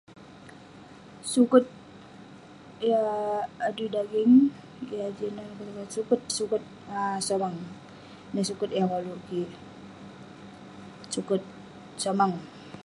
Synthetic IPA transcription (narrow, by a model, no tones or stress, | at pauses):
sukʊt̪̚ | jaː | dudaɡɪŋ | ɡiad͡ʒinankaɾkasukʊt̪̚sukʊt̪̚asomaŋ | nisukʊt̪jakaluki | sukʊt̪̚ | somaŋ